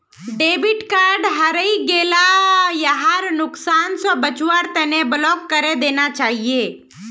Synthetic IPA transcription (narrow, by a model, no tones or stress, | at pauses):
ɖeːbɪʈkaːɾɖɦəɾəiɡeːlajəɦaɾnʊksaːnsɔbət͡ʃwaɾt̪ɛneblɔːkːəɾed̪eːnat͡ʃaːɦieː